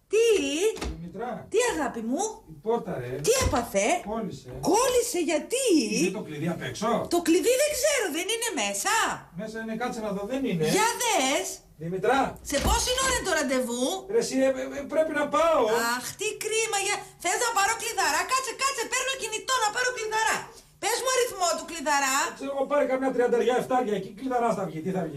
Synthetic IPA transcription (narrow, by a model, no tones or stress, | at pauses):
t̪iðimit̪ɾɐt̪iɐɣɐpimuipoɾt̪ɐɾet̪iepɐθe̞kolisekolise̞ʝɐt̪it̪okliðiɐpeksot̪o̞kliðiðeɡzeɾoðenine̞me̞sɐmesɐinekɐt͡senɐðoðenineʝɐðes | ðimit̪ɾɐse̞po̞sinoɾent̪oɾɐnd̪e̞vuɾesipɾe̞pinɐpɐoɐxt̪ikɾimɐʝɐθeznɐpɐɾo̞kliðɐɾɐkɐt͡sekɐt͡sepeɾnocinit̪o̞nɐpɐɾokliðɐɾɐ | pe̞zmuɐɾiθmo̞t̪ukliðɐɾɐt͡seoɣopɐɾikɐmɲɐt̪ɾiɐnd̪ɐðʝɐeft̪ɐɾʝɐecikliðɐɾɐst̪ɐvʝit̪iθɐvʝi